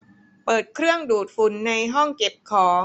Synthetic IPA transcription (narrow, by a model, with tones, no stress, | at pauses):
pɤː˨˩t̪̚kʰɾɯ˥˩əŋduː˨˩t̪̚fu˩˦nːa˧jɦɔ˥˩ŋke˨˩p̚kʰɔː˩˦